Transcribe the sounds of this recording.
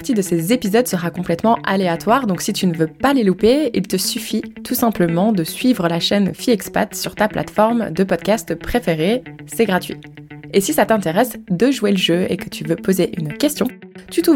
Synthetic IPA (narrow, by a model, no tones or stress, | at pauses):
ʁt̪id̪əsezepizɔd̪səʁakɔ̃plɛt̪mɑ̃ʔa̰leat̪waʁd̪ɔ̃ksit̪ʰynəvøpalelupeḭlt̪əsyfit̪ʰusɛ̃pləmɑ̃d̪əsɥivʁəlaʃɛnfiɛkspa̰t̪syʁt̪aplʔa̰t̪fɔʁmd̪əpɔd̪kast̪pχefeʁesɛɡʁat̪ɥḭ | esisat̪ɛ̃t̪eʁɛsd̪əʒuweləʒøḛkət̪ʰyvøpozeʔynkʲɛst̪jɔ̃t̪yt̪u